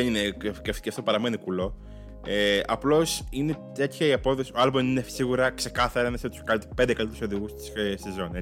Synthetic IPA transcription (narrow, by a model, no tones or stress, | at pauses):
enine̥cefi̥ceɐft̪opɐɾɐme̞nikulo̞ | eɐplo̞sine̞t̪e̞t̪çɐiɐpo̞ðo̞sioɐlbominesiɣuɾɐkse̞kɐθɐɾɐnɐst̪u̥skɐt̪pend̪ekɐlit̪so̞ðiɣust̪i̥ssezo̞ne